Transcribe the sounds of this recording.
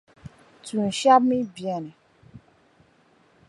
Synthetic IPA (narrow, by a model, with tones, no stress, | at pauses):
tũ˨ʃa˦bmĩ˦bjɛ˨nɛ̃˨